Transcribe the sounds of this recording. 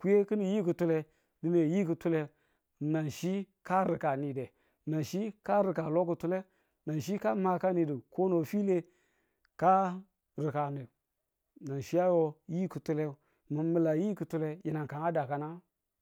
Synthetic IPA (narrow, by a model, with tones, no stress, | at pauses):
ku˦je˦kɨ˦ni˨ji˦k̬ɨ˨tu˦le˨ | di˨ne˨ji˦k̬ɨ˨tu˦le˨ | na˨nʃi˦ka˦ɾi˨ka˨ni˨de˨ | na˨nʃi˦ka˦ɾi˨ka˨lo˦k̬u˨tu˦le˦ | na˨nʃ̬i˦ka˦ma˨ka˦ni˨di˨ko˦no˨fi˦le˦ | ka˦ | ɾi˨ka˨ne˨ | na˨nʃi˦ja˦wo˦ji˦ku˨tu˦le˦ | mə˨mə˨la˨ji˦kɨ˨tu˦le˨ji˨na˨ŋka˨ŋa˦da˨ka˨na˦